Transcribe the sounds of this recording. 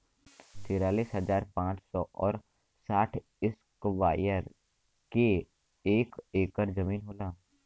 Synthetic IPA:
t̪eːɾaːliːsɦɐzaːɾpãːt͡ʃsɔʔɔːɾ | saːʈʰ | ɪskʋaːjəɾ | ke | eːkeːkəɾd͡ʒɐmiːnɦoːlãː

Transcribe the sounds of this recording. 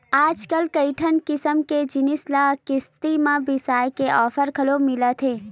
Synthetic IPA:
aːd͡ʒkəlkəiʈʰənkɪsəmked͡ʒɪnislakɪst̪imãbɪsaːjkeʔɔːfʰəɾkʰɐlomɪlət̪ʰeː

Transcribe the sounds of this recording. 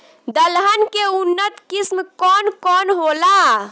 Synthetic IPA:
d̪əlɦənkeunːət̪kismkɔnkɔnɦola

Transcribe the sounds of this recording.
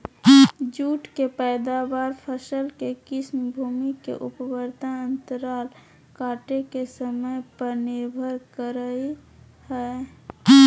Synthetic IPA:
d͡ʒuːʈkepɛːd̪aʋaːɾpʰəsəlkekɪsmbʱuːmikḛʔʊpəwəɾd̪aə̃nt̪əɾaːl | kaːʈekesəməjpənebʱəɾkəɾəi | hɛː

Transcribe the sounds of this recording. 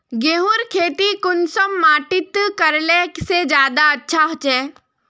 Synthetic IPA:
ɡeːɦʊɾkʰeːt̪ikʊnsəmːaːʈɪt̪kɐɾleksed͡ʒjaːd̪aɐtːʃʰaɦt͡ʃɛː

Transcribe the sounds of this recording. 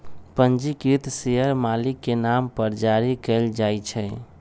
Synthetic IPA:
pənd͡ʒikit̪sejəɾmalikːenampəɾd͡ʒaɾikɛld͡ʒajt͡ʃʰɛ

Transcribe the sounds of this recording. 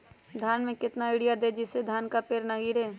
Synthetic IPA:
d̪ʱjaːnmẽkɪt̪naɪɽijad̪eːd͡ʒɪsed̪ʱjaːnkapeːɾnɐɡiːɽeː

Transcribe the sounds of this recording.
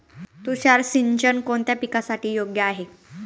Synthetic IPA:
t̪uɕaɾsiɲt͡ɕənkoɳt̪japikasaʈiːjoɡjəaɦe

